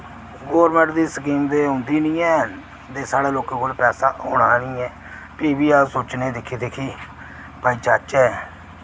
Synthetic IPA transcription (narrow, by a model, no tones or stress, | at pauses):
ɡoːɾmɛ̃ɳʈd̪iːsək̬iːmd̪eːɦʊ̃nd̪iːnĩːɛː | d̪eːsaːɽeːloːkẽːkoːlpɛːsaːɦoːɽaːnĩːɛː | piːbiːaːsoːt͡ʃnẽːd̪ɪkʰːiːt̪eːkʰiː | baːiːt͡ʃaːt͡ʃɛː